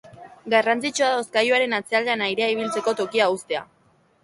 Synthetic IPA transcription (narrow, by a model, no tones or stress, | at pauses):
ɡarant͡sit͡ʃuaðosɡajuaɾe̞nat͡se̞ald̪eanajɾe̞aiβ̞ilt͡se̞ko̞t̪o̞kiaust̪e̞a̰